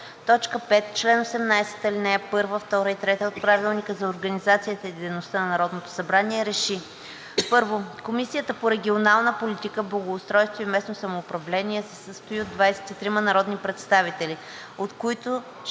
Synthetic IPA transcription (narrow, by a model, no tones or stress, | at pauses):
t̪ɔt͡ʃkəpɛt̪t͡ʃlɛnosɛmnajsɛ̥t̪əlinɛɛpɤɾvəft̪ɔɾəit̪ɾɛt̪əot̪̚pɾavilˠnikəzɐoɾɡənizat̪sijət̪əid̪ɛjnost̪ənɐnɐɾɔd̪not̪o̥sɐbɾaniɛɾɛʃi | pɤɾvokomisijət̪əpoɾɛɡʲionalˠnəpolit̪ikəblˠɐɡoːst̪ɾɔjst̪voimɛsnosɐmoːpɾɐvlɛniɛsɛsəst̪ʊiod̪vajsɛ̥t̪it̪ɾimɐnɐɾɔd̪nipɾɛt̪st̪avit̪ɛli | ot̪koit̪o